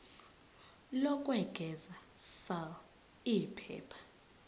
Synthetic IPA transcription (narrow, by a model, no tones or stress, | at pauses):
lɔkʼwɛɡ̥ʱɛza | sal | ipʰɛ̰ːpʰḁ